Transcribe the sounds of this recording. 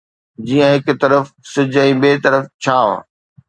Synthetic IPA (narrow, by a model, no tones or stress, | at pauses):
d͡ʑiːə̃ɦɪkt̪ɐɾəfsɪd͡ʑʱɛ̃ːɓeːt̪ɐɾəft͡ɕʰaːa̰ː